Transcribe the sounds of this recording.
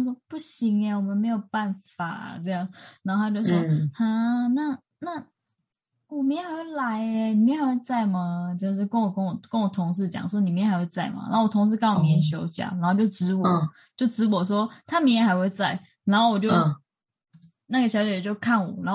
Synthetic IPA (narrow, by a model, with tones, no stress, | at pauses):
ʂ̬wɔ˥pu˥˩ɕi˧˥ŋa˧wɔ˨˩mə˦nme˧˥ɪjo˨˩ʊpa˥˩nfa̰˨˩t͡sɤ˥˧jɑ˥˩ŋna˧˩˥xo˥˧a˥t͡ɕjo˥˧˩ʂwɔa˥˧na˥˩ | na˥˩ | wɔ˨˩mi˨˧˥nxa˦˥xwe˥˩la˧˦ɪni˨˩mjɛ˥˨xa˧˥we˥ɪt͡sa˥˩ɪmɐ˨t͡ɕʊʂ̬ɻ̩˥˧kə˥˦nwɔ˨˩kə˥˦nwɔ˨˩kə˥nwɔ˨˩t̪ʰʊ˧˥ŋʂ̬ɻ̩˥˩t͡ɕjɑ̰˨˩ŋswɔ˥ni˨˩mjɛ˥˩nxa˧˥xwe˥˧ɪt͡sa˥˩ɪmɐ̰˩na̰˧˥o˥˩wɔ˨˩t̪ʰʊ˧˥ŋʂ̬ɻ̩˥˧kə˥nwɔ˨˩mi˨˥ɛ˧ɕ̬jo˧˥ʊt͡ɕjɑ̰˨˩˦na˨˧˥t͡ɕjo˥˩ʊʈ͡ʂɻ̩˧˥wɔ˨˩˨ | t͡ɕjo˥˩ʊʈ͡ʂɻ̩˧˥wɔ˨˩ʂ̬wɔ˥t̪ʰa˥mi˧˥ŋjɛ˧˥xa˧˥ɪxwe˥˧ɪt͡sa˥˩ɪ | na˨˧˥xo˥˩wɔ˨˩t͡ɕjo˥˧ʊ | na˥˩ɡə˩ɕjɑ˧˥ʊt͡ɕt͡ɕjo˥˧ʊkʰa˥˩nwɔ̰˨˩˦na˨˧˥